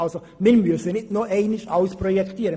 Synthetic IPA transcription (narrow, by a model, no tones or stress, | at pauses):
ɑlso | mɛnmysənɪtnuːʔɛɪnɪʃaʊspʁojɛkʰt̪iːɾə